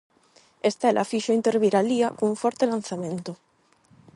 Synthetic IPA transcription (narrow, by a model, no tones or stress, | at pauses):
est̪elʔa̰fiʃoint̪eɾβiɾaliakouɱfɔɾt̪elan̟θamẽnt̪ʊ